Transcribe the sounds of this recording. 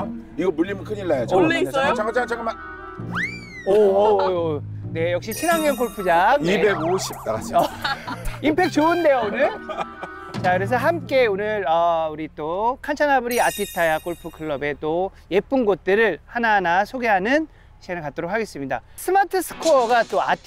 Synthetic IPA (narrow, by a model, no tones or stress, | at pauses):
niɡomuʎːimɯnkʰɯɲilːajot͡ɕʰat͡ɕʰaŋkt͡ɕʰaŋt͡ɕʰaŋɡɯma | o | ne̞jʌk̚ɕ͈it͡ɕʰinaŋjʌnk͈oɭpʰud͡ʑakibeɡoɕʰip̚t͈aɡad͡ʑiʌ | impʰe̞k̚t͡ɕoɯnde̞joonɯn | t͡ɕakɯɾe̞s̬ʰʌɦamk͈e̞onɯɾʌuɾit͈okʰant͡ɕʰanabɯɾiatʰitʰajak͈oɭpʰukʰɯɭːʌbe̞t͈o | je̞p͈ɯnɡot̚t͈ɯɾɯɭhananasʰoɡe̞ɦanɯn | ɕʰienɯɭkat͈̚oɾokʰːaɡe̞s͈ɯmɲida | sʰɯmatʰɯsʰɯ̥kʰoʌɡat͈oa